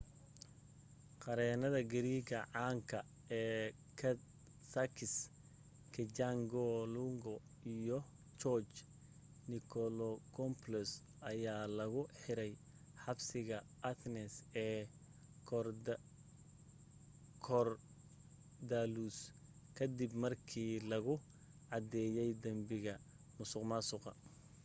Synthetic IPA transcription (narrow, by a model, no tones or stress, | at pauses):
qɑɾɛːnɐðɐɡɐɾiːɡɐʕaːŋkʰɐ | ɛː | k̪ʰ | sɐkʰɪs | kʰɛt͡ʃaŋɡɔlʊŋɡɔ | ijɔ | t͡ʃɔt͡ʃ | nɪkʰɔlɔkʰɔmplɛs | ʔɐjaːlɐɣʊħɪɾɛj | ħɑbsɪɣɐʔɐt̪ʰnɛsɛː | kʰ | kʰɔr | d̪alus | kʰɐd̪ɪbmɐrkʰiːlɐɣʊ | ʕɑd̪ɛːjɛjd̪ɐmbɪɣɐ | mʊsʊqmasʊqɑ̰